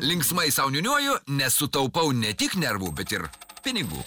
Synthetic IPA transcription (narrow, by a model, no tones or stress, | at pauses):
lʲɪŋksmɐɪsɐʊnʲʊnʲuɔjʊnʲɛsʊt̪ɐʊpɐʊnʲɛt̪ʲɪknʲɛɾʋuːbʲɛt̪ɪɾpʲɪnʲɪɡṵː